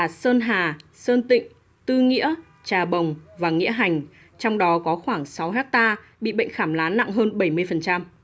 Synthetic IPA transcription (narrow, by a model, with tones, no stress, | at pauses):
a˨˩səː˧nɦaː˨˩səː˧nt̪ḭ̈˧˨ŋ̟ | t̪ɨ˧ŋḭ˧˥ə | t͡ɕaː˨˩ɓə˨˩wŋ͡mvaː˨˩ŋḭ˧˥əɦa˨˩jŋ̟ | t͡ɕɔ˧wŋ͡mɗɔ˨˦kɔ˨˦xwaː˧˩ŋsa˨˦wɦɛ˦˥k̚t̪aː˧ | ɓḭ˧˨ɓə̰˧˨jŋ̟xaː˧˩mlaː˨˦nːa̰˧˨ŋɦəː˧nɓə˧˩jmɨ˧əjfə˨˩nt͡ɕa˧m